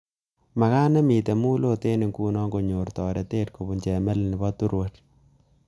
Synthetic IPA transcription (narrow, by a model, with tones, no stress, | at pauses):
ma˨ka˦nɛ˦mi˨te˨muː˦lo˦te˦ni˨ŋkuː˦nɔ˦ŋɡo˨ɲo˨rtɔ˨ɾe˨teː˦t̚ko˨bu˨nt͡ʃe˨mɛ˦lnɪ˨bɔ˦tu˦ɾwo˨t